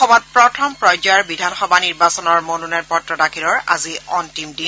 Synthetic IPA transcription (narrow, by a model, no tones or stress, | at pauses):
ɔmɔt̚pɹɔtʰɔmpɹɔjd͡ʒaɹbidʱanxɔbʱaniɹbasɔnɔɹmonunajnpɔtɹɔdakʰiɹɔɹa̰ziɔntimdi